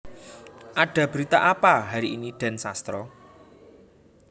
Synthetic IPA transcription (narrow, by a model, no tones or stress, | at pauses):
ʔaɖ̥ä̤b̥ɾit̪aʔapaɦaɾiiniɖ̥a̤nsast̪ɾɔ